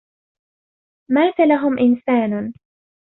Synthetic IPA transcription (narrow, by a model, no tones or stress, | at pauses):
maːsalaɦʊmʔɪnsaːn